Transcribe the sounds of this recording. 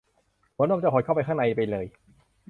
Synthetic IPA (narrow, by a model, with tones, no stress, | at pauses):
moː˨˦nwaː˧˩t͡ɕa˧˩ɔ˨˦jkʰːwpa˧jkʰa˥˩ŋna˧jpa˧jlɤː˧j